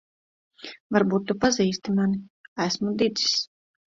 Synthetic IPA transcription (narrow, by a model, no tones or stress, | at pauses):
vaɾbuːt̪ːupaziːst̪imaniæsmud̪id̪zi̥s